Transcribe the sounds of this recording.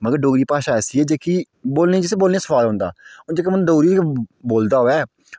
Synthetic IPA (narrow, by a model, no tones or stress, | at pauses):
məɡəɾɖoːɡɾiːpaːʃaːɛːsiːɛːd͡ʒeːkiː | boːlnẽːd͡ʒɪseːboːlnẽːsəʋaːloʊ̃ːnd̪a̰ːʊd͡ʒekeməñːɖoːɾiːboːld̪aːɦoːɛː